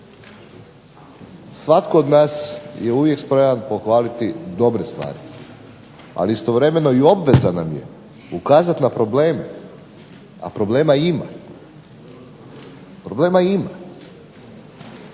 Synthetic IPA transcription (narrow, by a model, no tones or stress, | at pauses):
sʋat̪kood̪naːsjeuʋjekspɾeʋanpo̞xʋaːlit̪id̪o̞bɾest̪ʋa̰ːɾi | a̰liist̪o̞ʋɾe̞me̞no̞io̞bʋe̞zanamje̞̰ | ukaːzat̪napɾo̞bleːmḛ | a̰pɾo̞ble̞ːmaima̰ | pɾo̞ble̞ːmaima